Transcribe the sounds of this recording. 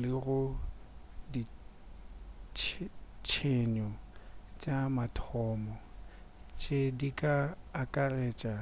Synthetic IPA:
lɪɣʊ | di | t͡ʃʰt͡ʃʰeɲɔt͡ʃʼamatʰɔmɔ | t͡ʃʼedikʼaːkʼareːt͡ʃʼa

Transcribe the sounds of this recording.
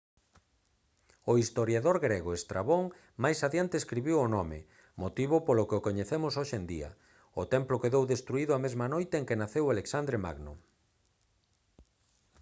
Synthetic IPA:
oist̪oɾjaðoɾɣɾeɣoest̪ɾaβoŋ | majsaðjant̪eːskɾiβiwonɔmɪ̰ | mot̪iβʊpolʊkeokoɲeθemʊsoʃend̪ḭɐ̰ | ʊt̪ɛmplokeðowðest̪ɾuiðʊamezmanojt̪eeŋkenaθewaleksand̪ɾema̰ɣnʊ̰

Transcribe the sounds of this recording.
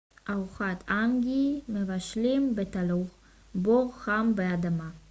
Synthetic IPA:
ʔaʁuχat̪ʰaŋɡimevaʃlimbet̪aluχ | boʁχambead̪ama

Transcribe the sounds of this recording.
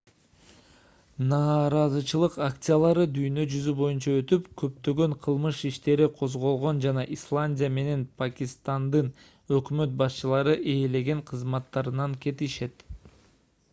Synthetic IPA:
nɑːɾɑzɯt͡ʃɯlˠɯqakt̪sɨjalˠɑɾɯd̪yjnø̞d͡ʒyzybo̞junt͡ʃɑøt̪ypkø̞pt̪ø̞ɡø̞ɴqʰɯlˠmɯʃiʃt̪e̞ɾiqʰo̞zʁo̞lˠʁo̞nd͡ʒɑnɑʔislˠanʲdʲijame̞ne̞npʰakʲist̪and̪ɯn | ø̞kmø̞t̪̚bɑst͡ʃɯlˠɑɾɯʔe̞ːle̞ɡe̞ɴqʰɯzmɑt̪ːɑɾɯnɑŋke̞t̪iʃe̞t̪

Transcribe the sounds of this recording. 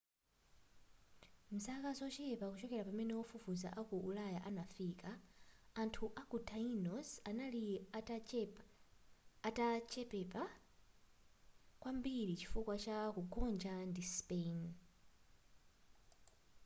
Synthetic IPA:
m̩sakazɔt͡ʃɛpakut͡ʃɔkɛɾapamɛnɛɔfufuza̰ʔakuʔulajaʔanafikaː | ntʰuʔakutʰainɔsanali | tat͡ʃɛpɛpa | kwambiɾit͡ʃi̥fukwat͡ʃakuɡɔnd͡ʒandispen

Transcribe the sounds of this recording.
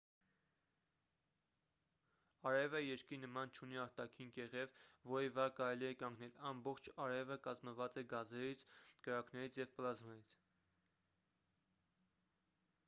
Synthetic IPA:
ɑɾɛvəjɛɾkinəmɑnt͡ʃʰuniɑɾt̪ɑkʰinkɛʁɛvvɔɾivɑkɑɾɛliɛkɑŋɡnɛlɑmbɔχt͡ʃʰɑɾɛvəkɑzməvɑt͡sɛɡɑzɛɾit͡sʰkəɾɑknɛɾit͡sʰjɛvplɑzmɛɾit͡sʰ

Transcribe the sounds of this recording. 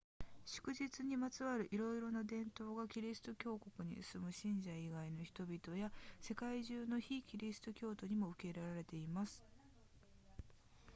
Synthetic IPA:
ɕɨ̥kɯ̟ʑit͡sɨɲ̟imat͡sɨβaɾɯ̟ʔiɾo̞iɾo̞nad̪ẽ̞nt̪o̞ːɡakʲiɾʲisɨ̥t̪o̞kʲo̞ːko̞kɯ̟ɲ̟ḭ̥sɨmɯ̟ɕĩɲ̟d͡ʑaiɡaino̞çi̥t̪o̞bʲit̪o̞jase̞kaiʑɨːno̞çikʲiɾʲisɨ̥t̪o̞kʲo̞ːt̪o̞ɲ̟imo̞ɯ̟ke̞ɾaɾaɾe̞t̪e̞imasɨ̥

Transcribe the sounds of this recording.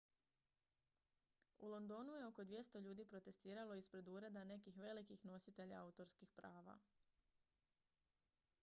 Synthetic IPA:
ulˠo̞nd̪o̞ːnuje̞o̞ko̞d̪ʋje̞st̪o̞ʎuːd̪iːpɾo̞t̪e̞st̪iːɾalo̞ispɾe̞d̪uɾe̞d̪ane̞kixʋe̞likixno̞sit̪e̞ʎa̰aut̪o̞ɾskixpɾaːʋa̰

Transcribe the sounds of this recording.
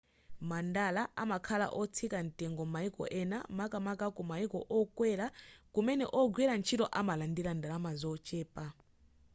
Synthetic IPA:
mandalaʔamakʰala̰ʔɔt͡sʰikantʼɛŋɡɔmaikɔ̰ʔɛna̰makʼamakakumaikɔʔɔkʼwɛɾakumɛnɛ̰ʔɔɡwɛɾant͡ʃʰitɔʔamalandilandalamazɔt͡ʃʼɛːpʼa

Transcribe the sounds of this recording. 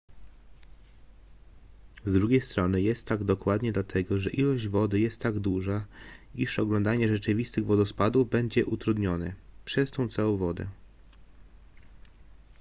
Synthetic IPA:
zd̪ɾuɡʲejst̪ɾɔnɘjɛst̪ːaɡd̪ɔkwad̪ɲɛd̪lat̪ʰɛɡɔʐɛʔilɔʑd͡ʑvɔd̪ɘjɛst̪ːaɡd̪uʐaiʂɔɡlɔnd̪aɲɛʐɛt͡ʂɘvʲist̪ɘɣvɔd̪ɔspad̪uvbɛɲd͡ʑɛʔut̪ɾud̪ɲɔnɘ̰pʂɛst̪ɔ̃w̃t̪sɛɔ̃vɔd̪ɛ̰

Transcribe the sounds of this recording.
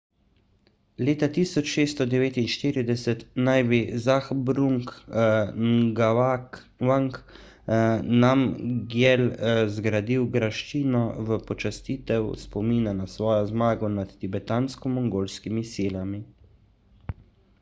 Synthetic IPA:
leːt̪at̪iːsɔt͡ʃʃeːst̪ɔd̪ɛʋeːt̪inʃt̪iːɾid̪ɛsɛt̪najbizaxbɾuŋk | ɡ | aŋk | namɡjɛlzɡɾad̪iwɡɾaʃt͡ʃiːnɔʋəpɔt͡ʃast̪iːt̪ɛwspɔmiːnanasʋɔːjɔzmaːɡɔnat̪t̪ibɛt̪aːnskɔmɔŋɡoːlskimisiːlami

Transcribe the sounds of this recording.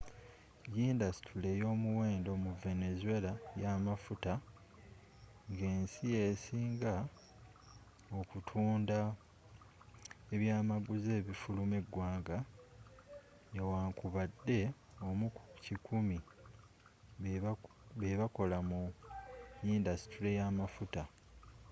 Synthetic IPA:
jiːndasi̥tʰule̞jo̞ːmuwe̞ːndo̞muve̞ne̞zue̞lajaːmafuta | ŋɡe̞ːnsije̞siːŋɡa | o̞kutʰuːnda | e̞βjaːmaɡuze̞ːβifulume̞ɡwaːŋɡa | ewaːŋkuβadːe̞ | o̞mucikumi | βeβako̞lamu | indasi̥tɾijamafuta

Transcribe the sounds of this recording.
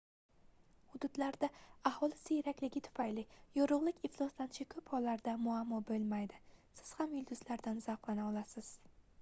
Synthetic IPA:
hʊd̪ʊd̪laɾd̪aahɒlˠɪsɪjeɾakʲlɪɡʲɪt̪ʰʊ̥fajlɪjoɾʊʁlˠɪkʲɪflˠɒst̪ant͡ʃʰɪkʰɵphɒlːaɾd̪amʊamːɒbɵlˠmajd̪ɪsɪz̥hamjʊlˠd̪ʊzlaɾd̪anzaqlˠanaɒlˠasɪz̥

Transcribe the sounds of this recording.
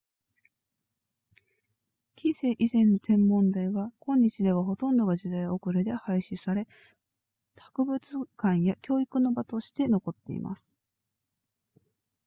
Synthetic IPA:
kʲʰĩɰse̞ːʔizẽ̞nːo̞t̪ʰẽ̞mːõ̞nd̪aiɡakõ̞ɲ̟ːit͡ɕid̪e̞β̞aɦo̞t̪õ̞nd̪o̞ɡaʑid̪aio̞kɯ̟ɾed̪e̞haiɕisaɾe̞ | t̪ʰḁkɯ̟bɯ̟t͡sɨkãɰ̃jakʲo̞ːikɯ̟no̞bat̪o̞ɕi̥t̪e̞no̞ko̞t̪ːe̞̰ḭmʔa̰sɨ̥

